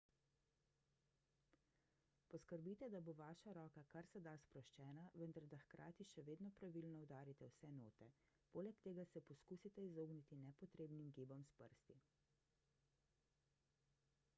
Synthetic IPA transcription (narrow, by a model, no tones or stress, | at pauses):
pɔskəɾbiːt̪ɛd̪aboʋaːʃaɾɔːkakaɾsɛd̪aspɾɔʃt͡ʃɛːnaʋənd̪aɾd̪axkɾʔa̰ːt̪iʃɛʋeːd̪nɔpɾaʋilnɔwd̪aːɾit̪ɛwsɛnoːt̪ɛ | poːlɛkt̪eːɡasɛpɔskuːsit̪ɛizoːɡnit̪inɛpɔt̪ɾeːbnimɡibɔmspəɾst̪i